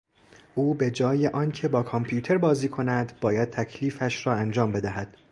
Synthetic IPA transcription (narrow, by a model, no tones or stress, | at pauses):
ʔuːbe̞d͡ʒɒːje̞ʔɒːncʰe̞bɒːkʰompʰjuːt̪ʰe̞ɾbɒːziːkʰo̞næd̪bɒːjæd̪̚t̪ʰæcʰliːfæʃɾɒːænd͡ʒɒːmbe̞d̪æɦæd̪̥